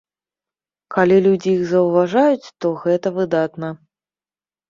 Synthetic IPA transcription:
kalʲilʲud͡zʲijiɣzɐwvaʐajut͡sʲt̪ɔɣɛt̪ɐvɨd̪at̪nɐ

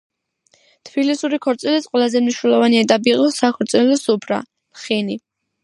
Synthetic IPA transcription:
t̪ʰb̥ilisuɾikʰɔɾt̪sʼilit̪sʼqʼwɛlˠazɛmniʃnɛlˠɔvaniɛt̪ʼapʼiːqʼɔsakʰɔɾt̪sʼɛlɔsupʰɾa̰ | lχini

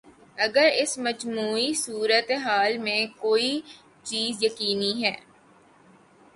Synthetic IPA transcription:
ɐɡəɾɪsməd͡ʒmuːisuːɾət̪eɦaːlmẽkoːi | t͡ʃiːzjɐkiːniɦɛː

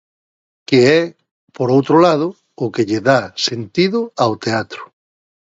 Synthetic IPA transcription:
keɛ | poɾowt̪ɾolað̞ʊ | ʊkeʎeðasent̪iðʊawt̪eat̪ɾʊ̥

